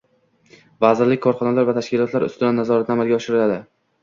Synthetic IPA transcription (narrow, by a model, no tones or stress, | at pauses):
vazɪɾlɪkʲkʰɒɾχɒnalaɾvat̪ʰaʃkʲɪlˠɒt̪laɾʊ̰st̪ɪd̪anːazɒɾat̪namalɡʲaɒʃɪɾɪlad̪ɪ